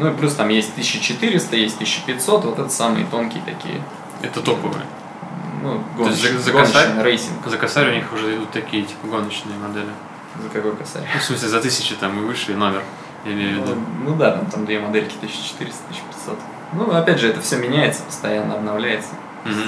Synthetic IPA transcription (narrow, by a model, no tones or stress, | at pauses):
nuɪplʲust̪amjesʲt̚ʲt̪ɨsʲɕːɪt͡ɕɪt̪ɨɾʲɪst̪əjesʲt̚ʲt̪ɨsɕɕːɪ̥pʲɪtʲso̞t̪vo̞t̪ɛt̪ə̥samɨ̰jət̪o̞nkʲɪjət̪ɐkʲḭjə̰ | ɛ̰t̪ət̪opəvɨ̰jə̰ | nuɡoosʲzəɡoanəanəjɾejsʲɪnkzəkɐsaɾʲɪʊnʲixʊʐɛɪd̪ut̪ːɐkʲijət̪ʲi̥pəɡo̞nət͡ɕnɨjəmɐd̪elʲɪ | zəkɐkojkɐsa̰ɾʲjfsmɨsʲlʲɪzɐt̪ɨsʲɪt͡ɕɪt̪amɨvɨʂɨjno̞mʲɪr | jɪmʲejʊvʲːɪd̪unud̪at̪amt̪amd̪vʲemɐd̪elʲkʲɪ̥t̪ɨɕːɪ̥t͡ɕɪ̥t̪ɨɾʲɪst̪ət̪ɨɕːpʲɪ̥t̪ʲso̞t̪ | nuɐpʲædʲʐɨɛt̪əfsʲɵmʲɪnʲæjɪt̪sə̥pə̥st̪ɐjanːəɐbnɐvlʲæjɪt̪sə̥ | m̩ɦ